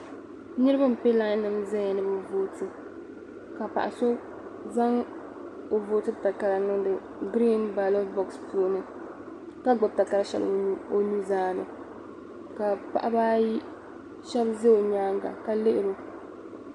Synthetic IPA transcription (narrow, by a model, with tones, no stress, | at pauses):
nɨ˦ɾɨ˦ba˦m̩˨pe˦la˦nɨ˨mzɛ˦ɲɛ˨nɨ˦bɨ˨voː˦tɨ˦ | ka˨pa̰˨ʔa˨so˦ | za˦ŋ | o˨voː˨˦tɨ˦ta˨ka˨la˨nɨ˦ŋdɨ˨ | ɡɾi˦nba˨lo˦bɔ˦kspu˦o˦nɨ˨ | ka˦ɡ͡bʊ˨b̚ta˨ka˨la˦ʃɛ̰˦l̰o˨nu˦zaː˦nɨ˨ | ka˨pa̰˨ʔa˦baː˦ji˦ | ʃɛ˦bze˦o˨ɲaː˦ŋɡa̰˨ka˦lɪ˦ʔɪ˨ɾo˦